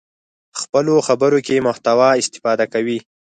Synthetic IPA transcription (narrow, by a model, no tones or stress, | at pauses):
xpəloxabəɾokemʊht̪awɑɪst̪ɪ̥fɑd̪akawi